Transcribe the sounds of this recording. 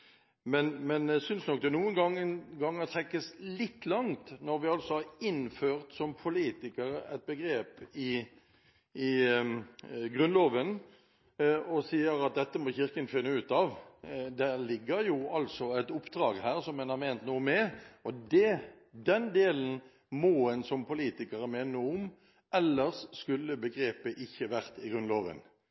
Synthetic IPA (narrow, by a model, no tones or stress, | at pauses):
mɛnmɛnæɪsʏnsnɔk̚d̪ɛnuːənɡɑŋːənɡɑŋːɑt̪ʰɾɛkːəslɪt̪ːlɑŋt̪nɔɾʋɪɑlsɔhɑɾɪnføːʁt̪sɔmpʰʊliːt̪ɪkəɾəæ̰ɪt̪̚bəɡɾeːpɪ | ɪ | ɡɾʉnloːʋən | ɔsiːəɾɑt̪̚d̪ɛt̪ːəmɔçɪɾkənfɪnːəʉːt̪ɑʋd̪æʁlɪɡːəɾjʊɑlsɔæɪt̪ʊpd̪ɾɑːɡhæːʁsɔmːɛnhɑɾmɛɪnt̪nuːəmɛʔɔd̪ɛ | d̪ɛnd̪eːlən̩ | mɔɛnsɔmpʰʊliːt̪ɪkəɾəmeːnəʊm | ʔɛlːəʁsskʉlːəbəɡɾeːpəʔɪçːəʋæʁt̪ɪɡʁʉnloːʋə̰n